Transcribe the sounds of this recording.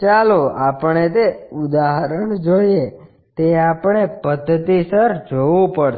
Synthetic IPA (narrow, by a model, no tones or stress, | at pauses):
t͡ʃaloapəɳ̃et̪eud̪aɦəɾəɳd͡ʒoie | t̪eapəɳ̃epəd̪ʱːət̪isəɾd͡ʒoʋũpəɽ